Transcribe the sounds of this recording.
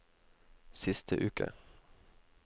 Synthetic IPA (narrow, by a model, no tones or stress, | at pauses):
sɪst̪ʰəʔʉːkə̰